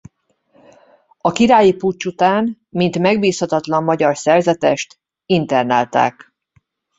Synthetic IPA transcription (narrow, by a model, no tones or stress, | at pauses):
ɒkiɾaːjiput͡ʃːut̪aːn | mint̪mɛɡbiːshɒt̪ɒt̪lɒmːɒɟɒrsɛrzɛt̪ɛʃt̪ | int̪ɛrna̰ːlt̪a̰ːk